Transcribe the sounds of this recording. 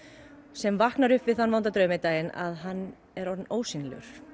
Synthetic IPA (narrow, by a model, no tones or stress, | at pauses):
sɛmvahknaɾʏhpvɪðθanːvawnt̪at̪ɾœːmɪt̪aːjɪna̰ðɦanː | ɛɾɔɾnoːwsinlʏ̰ɾ̥